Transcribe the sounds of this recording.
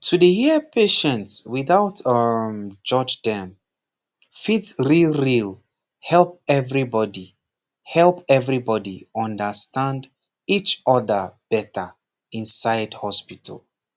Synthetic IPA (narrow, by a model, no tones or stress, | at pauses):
tʰudəhiəpʰeʃɛ̃ntswiθaʊtʌmd͡ʒɔd͡ʒdɛ̃m | fitɹilɹil | hɛlˠp̚ɛvɹibɔdi | hɛlˠpɛvɹibɔdiɔ̃ndəstãnd | it͡ʃɔðəb̥ɛtʰə | ĩnsaɪdhɔspitʰə̰lˠ